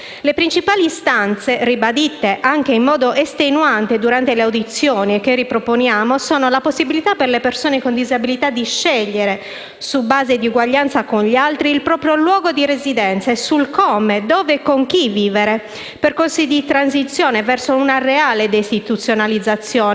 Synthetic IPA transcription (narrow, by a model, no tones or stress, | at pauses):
lepɾint͡ʃipaːlist̪ant̪seribad̪it̪ːeʔaŋk̟eimmːɔːd̪oʔest̪enuant̪ed̪uɾant̪eleawd̪it̪sːjɔːniekerːipɾoponjaːmosɔːnolaposːibilit̪aperlepersoːnekond̪izabilit̪ad̪iʃːɛʎːeɾe | subaːzed̪iuɡwaʎːant̪sakonʎialt̪ɾiːlpɾɔːpɾjolwɔːɡod̪iɾezid̪ɛnt̪sesulkɔːmed̪ɔːvekoŋk̟iviːveɾe | perkonsid̪it̪ɾans̬it̪sːjɔːnevɛrsounareaːled̪est̪it̪ut̪sːjonalid̪zːat̪sːjɔːn